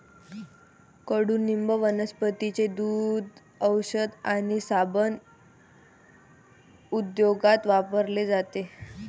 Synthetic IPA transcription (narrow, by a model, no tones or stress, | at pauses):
kəɽuːnːimbəʋənəspət̪it͡sed̪ud̪ | əwɕəd̪aɽ̃isabən | ud̪joɡat̪ʋapəɾled͡zat̪e